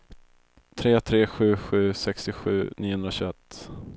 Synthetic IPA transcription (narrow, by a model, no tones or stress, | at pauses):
t̪ʰɾeːt̪ʰɾeːɧʉ̟ːɧʉ̟ːsɛkst̪ɪɧʉ̟̰ːnʔiːʊhɵnɾaɕɵɛt̪ː